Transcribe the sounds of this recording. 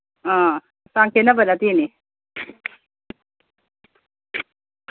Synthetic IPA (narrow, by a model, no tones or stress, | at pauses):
ã | sãŋkʰenəbəlat̪iːni